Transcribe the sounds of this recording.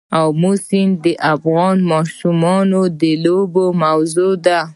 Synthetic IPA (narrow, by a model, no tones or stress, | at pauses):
awmusind̪eʔafɣɑnmɑʃumɑnod̪elobomawzod̪a